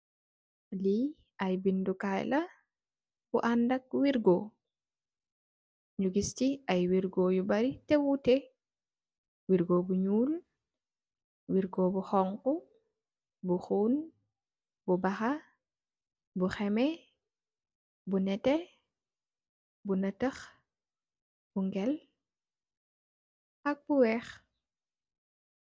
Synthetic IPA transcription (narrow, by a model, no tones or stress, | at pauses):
li | ajbindukajlɐ | b̥ṵʔandɐk̚wiɾɡo | ɲuɡistiajwiɾɡojubɐɾitɛwutɛ | wiɾɡoːbuɲuːl | wiɾɡɔbuxɔŋku | buxuːn | bubɐxɐ | buxɛmɛ | bunɛtɛ | bunɐtɐx | b̥uŋɡɛl | ʔɐk̚buwɛx